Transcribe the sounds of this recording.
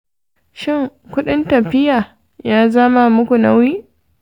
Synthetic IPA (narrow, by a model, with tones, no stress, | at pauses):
ʃɪ˦˨ŋkʷʊ˦ɗɪ˦ntɐ˨ɸɪ˦jaː˨ | jaː˦zɐ˦ma˦mʊ˦kʷu˨na˦wiː˦